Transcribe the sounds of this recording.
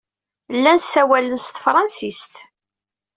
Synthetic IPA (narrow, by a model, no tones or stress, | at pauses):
lːænsæwælənst̪fɾˤɑnsist̪